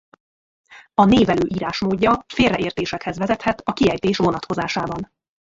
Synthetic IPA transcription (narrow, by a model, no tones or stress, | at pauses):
ɒneːvɛløːʔiːɾaːʃmoːdɟːɒfeːrɛʔeːrt̪eːʃɛkhɛzvɛzɛt̪hɛt̪ɒkiɛjt̪eːʃʋo̞nɒt̪ko̞zaːʃaːbɒn